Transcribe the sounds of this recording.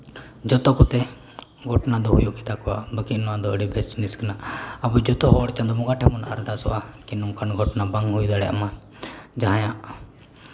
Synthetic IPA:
d͡ʒɔt̪ɔkɔt̪ɛ | ɡʱɔʈnad̪ɔɦujuʔkit̪akɔwa̰bəkinɔwad̪ɔəɽibʱɛst͡ʃniskanaʔabud͡ʒɔt̪ɔɦɔɽt͡ʃand̪ɔmɔɡaʈʰɛmɔnaʔa̰ɾd̪asɔ̰ʔakinɔŋkanɡʱɔʈnabaŋɦujd̪aɽɛʔa̰ma | d͡ʒaɦãjaʔ

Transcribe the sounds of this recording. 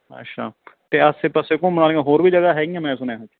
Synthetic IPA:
ə̰tʃʰaːt̪eːəseːpəsekõːmənaːlẽːɡãːɦoːɾbʱiːd͡ʒəɡaːɦɛːɡiãːmɛ̃ːsʊnaːd͡ʒ

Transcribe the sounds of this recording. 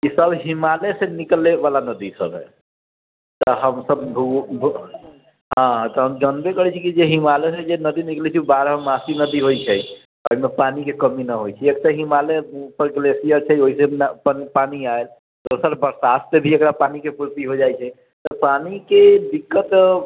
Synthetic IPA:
kisəbʱɦimalesenikleʋalanəd̪isə̰bɦɛ̰ | t̪ɔɦəmsəbbʱubʱu | ɦãt̪ɔɦəmd͡ʒənbekəɦɛt͡ʃʰikid͡ʒeɦimalesɛd͡ʒenəd̪iniklet͡ʃʰibaɾɦemasinəd̪iɦojt͡ʃʰɛ | oimepanikekəminəɦojt͡ʃʰɛekseɦimalepəɾɡlesijəɾt͡ʃʰɛoɦisenpipaniael | t̪oɾsalbəɾsast̪ebʱiekɾapanikepuɾt̪iɦod͡ʒajt͡ʃʰɛ | t̪ɔpaniked̪ikːət̪

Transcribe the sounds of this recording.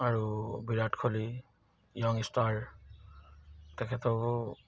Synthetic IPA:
aɹubiɾaʈkʰoli | jɔŋistaɹ | t̪ekʰet̪o

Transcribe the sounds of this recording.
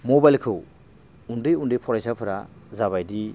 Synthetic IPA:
mobajlkʰɯw | undɯjundɯjpʰɔɾajsapʰɯɾazaβajdi

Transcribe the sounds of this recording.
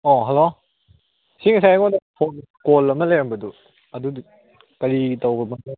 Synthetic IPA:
oɦɐlo | siŋisajɐŋɔnɐpʰonkolɐmɐlejambɐdu | ɐdud | kɐɾitɐwbɐmɐn

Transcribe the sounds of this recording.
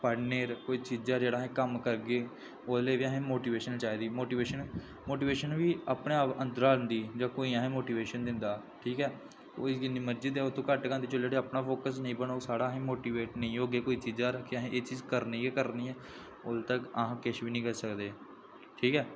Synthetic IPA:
paːɽneːɾkoːiːt͡ʃiːd͡ʒaːd͡ʒeːɽaːɦẽːkəmkəɾɡeː | oːleːʋiːəɦẽːmoːʈiːʋeːʃənt͡ʃaːiːd̪iːmoːʈiːʋeːʃən | moːʈiːʋeːʃənʋiːapneːpənd̪əɾaːlənd̪iːd͡ʒãːkoːiːãːɦːmoːʈiːʋeːʃənd̪ɪnd̪aː | ʈʰiːkɛː | koːiɡɪniːməɾd͡ʒɪd̪ɛːʊt̪ʰːõːkəʈkãnd̪iːt͡ʃəleːʈ̪eəpnaːpʰoːkəsnəĩːbəɳoːsaːɽaːɦẽːmoːʈiːʋeːʈnəĩːɦoːɡeːkoːiːt͡ʃiːd͡ʒaːɾəkʰːeəɦẽːʔeːt͡ʃiːzkəɾniːɛːkəɾniːɛː | od̪t̪əkəɦãːkɪʃʋiːnəĩːkəɾsəkd̪eː | ʈʰiːkɛː

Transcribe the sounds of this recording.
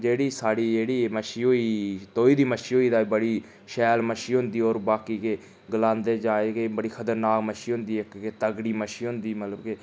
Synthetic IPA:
d͡ʒeːɽiːsaːɽiːd͡ʒeːɽiːməʃiːɦoːiːt̪oːiːd̪iːməʃiːɦoːiːd̪aːbəɽiː | ʃɛːlməʃiːɦʊ̃nd̪iːoːɾbaːkiːkeː | ɡəlãːnd̪eːd͡ʒaːeːɡebəɽiːkʰət̪əɾnaːkməʃiːɦʊ̃nd̪iːɪkkeːt̪əɡɽiːməʃiːɦʊ̃nd̪iːmət̪ləbkeː

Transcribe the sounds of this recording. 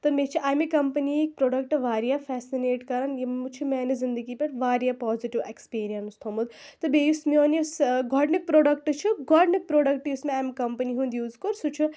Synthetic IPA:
t̪ɐmet͡ʃʰiʔaːmekɐmpɐniek̚pɾoːɖɐk̚ʈʋaːɾijafʰɛːsineːʈkɐɾɐnjit͡ʃʰumaːnezind̪əɡipeʈʋaːɾijapɔːziʈiʋekspiːɾijɐnst̪ʰomud̪t̪ɐbejusmioːnisɡɔɖnk̚pɾoːɖɐkʈt͡ʃʰuɡɔːɖnik̚pɾoːɖɐkʈjusmeaːmekɐmpɐniɦũnd̪juːzkoɾsut͡ʃʰu

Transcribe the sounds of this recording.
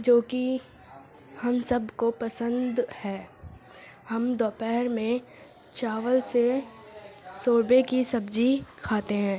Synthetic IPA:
d͡ʒoːki | hɐmsɐbkopɐsə̃nd̪hɛː | hɐmd̪ɔːpɛːɦɾmẽ | t͡ʃaːʋəlse | soːɾbekisɐbd͡ʒikʰaːt̪eɦɛ̃ː

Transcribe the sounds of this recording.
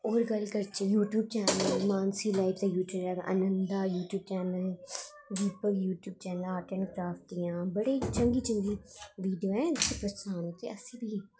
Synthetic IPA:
oːɾɡəlkəɾt͡ʃjuːʈjuːb̚t͡ʃɛːnəlmaːnsiːlaːɪpt̪ajuːʈjuːt͡ʃɛːlʔə̰nənd̪aːjuːʈjuːb̚t͡ʃɛːnəl | d̪iːpəkjuːʈjuːb̚t͡ʃɛːnəlaːʈɛːɳkɾaːfʈijãːbəɽeːt͡ʃəŋɡiːt͡ʃəŋɡiːʋiːɖijoːɛ̃ːɪsipɾəsaːnot̪ḛːəsĩːbʱiː

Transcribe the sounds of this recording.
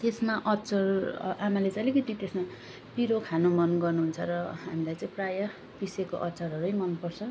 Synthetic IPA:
t̪esmaʔʌtːt͡sʌramʌlet͡sãʌlekʌt̪it̪esma | piɾokʰanomʌnɡʌrnuɦunt͡sʰʌɾʌɦamilajt͡saĩprajʌ | piseko̰ʔʌtːt͡sʰʌɾɦʌɾuʌjmʌnpʌrt͡sʰʌ

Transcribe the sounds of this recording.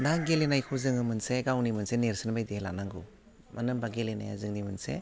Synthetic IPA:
naɡelenajkʰuzɯŋɯmɯnseɡawnimɯnseneɾsɯnbajdihelanaŋɡɯ | mʔanɯmbaɡelena̰ja̰zɯŋnimɯnsḛ

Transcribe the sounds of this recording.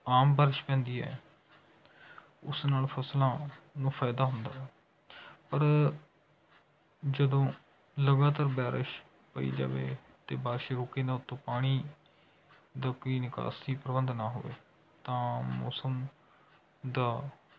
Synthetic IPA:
aːmbɛːɾɪʃpɛ̃ːnd̪iːɛ̰ː | ʊ̰snaːlpʰəslãːnũːpʰaːd̪aːɦʊnd̪aːɛː | pəɾ | d͡ʒəd̪õː | ləɡaːt̪aːɾbɛːɾɪʃ | pəḭːd͡ʒa̰ːʋḛː | t̪eːbaːɾʃeːɾoːkːeːd̪ãːʊt̪ːõːpaːɽ̃iː | d̪aːkoːiːnɪka̰ːsiːpɾəbənd̪naːɦo̰ːʋḛː | t̪ãːmɔ̰ːsəm | d̪aː

